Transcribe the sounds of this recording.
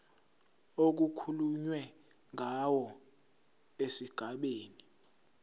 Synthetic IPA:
ok̬ukʰuluɲwɛ | ŋawɔ | esiɡ̥ʱaɓeːni

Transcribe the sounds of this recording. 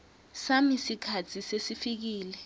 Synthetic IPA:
samisikʰatʰisesifik̬iːlɛ

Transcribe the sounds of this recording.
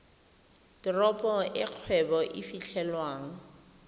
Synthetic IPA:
d̥ɪrɔpʼɔʔɪq͡χʰwɛbɔʔɪfit͡ɬʰɛlwaːŋ̩

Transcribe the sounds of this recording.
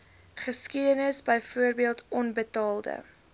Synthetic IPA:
χəskidənəsbəjfuərbiəlˠtʰɔnbətɑːlˠdə̰

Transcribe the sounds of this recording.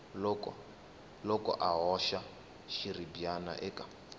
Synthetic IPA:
lɔkɔ | lɔkʼɔ̰ʔaɦɔʃa | ʃiribiana̰ʔɛkḁ

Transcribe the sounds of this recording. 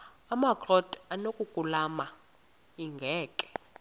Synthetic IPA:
amakrɔtʼanokʼukʼulama | iŋɡʱɛːkʼɛ̥

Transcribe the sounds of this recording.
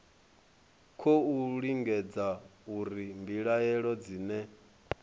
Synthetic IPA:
kʰouɺiŋɡɛd͡zauɾimbiɺajɛɺɔd͡ziːnɛ

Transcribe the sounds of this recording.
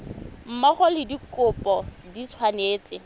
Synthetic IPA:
m̩maχʊlɪdikʊpʼɔdit͡sʰwaneːt͡sʼɪ

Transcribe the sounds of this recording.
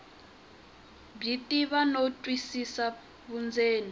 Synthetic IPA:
bitʼiβanotʼwisisa | βund͡zeːni

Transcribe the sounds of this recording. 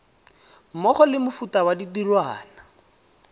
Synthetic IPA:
mɔχɔlɪmʊfutawaditirwaːna

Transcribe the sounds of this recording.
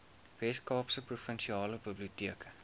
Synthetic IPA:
vɛskɑːpsəprufənʃiɑːləbəbliutiəkə̥

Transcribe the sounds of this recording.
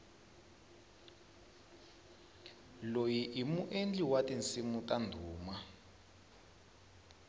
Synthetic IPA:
lojiʔimuʔend͡ɮiwatʼint͡simutʼandʱuːma

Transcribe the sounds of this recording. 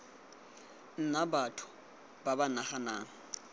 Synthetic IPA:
n̩nabatʰʊ̥ | babanaχanaːŋ̩

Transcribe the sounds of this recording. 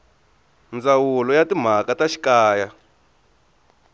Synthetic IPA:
nd͡zawulɔjatim̤akataʃi̥kaːja

